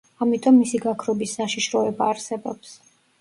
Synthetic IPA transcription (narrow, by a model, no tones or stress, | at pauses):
amit̪ʼɔmːisiɡakʰɾɔbisːaʃiʃɾɔɛbaːɾsɛbɔ̰ps